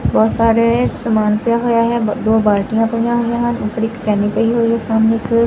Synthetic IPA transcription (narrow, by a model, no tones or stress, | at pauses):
bɔːt̪saːɾesəmaːnpjaɦoːjaːɦɛːd̪oːbaːɾʈijãːpəjãːɦojãːɦənʊkɽikkɛːnipəiɦoːiɦɛsaːmnek